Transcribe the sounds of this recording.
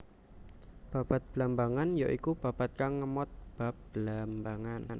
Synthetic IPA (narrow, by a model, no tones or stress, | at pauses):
b̥a̤b̥a̤t̪̚bəlambaŋanjaʔikub̥a̤b̥at̪̚kaŋːəmɔt̪̚b̥a̤p̚b̥əlambaŋann